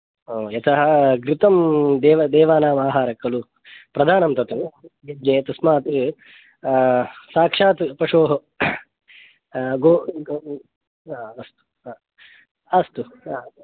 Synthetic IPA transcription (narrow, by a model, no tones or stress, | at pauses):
oːjɐt̪ʰɐɦɐɡɾɪt̪ɐmd̪ɛːʋɐd̪ɛːʋaːnaːmaːɦaːɾɐkːɐlu | pɾɐd̪ʱaːnɐmt̪ɐt̪ɐmjid͡ʒnet̪ɐsmaːt̪i | saːkʂaːt̪pɐʂoːɦɐ | ɡoː | ɐst̪u̥ː | ɐst̪u